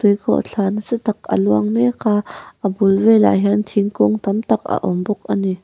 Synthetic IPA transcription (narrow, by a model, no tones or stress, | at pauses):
t̪ujkʰɔ̰ʔt͡ɬʰaːnəsit̪ɐk̚ə̰luɐŋmɛkʰaːʔəbulvɛla̰jɦɛnt̪ʰiŋkʊŋt̪ɐmt̪ɐkə̰ʔɔmbɔk̚ʔani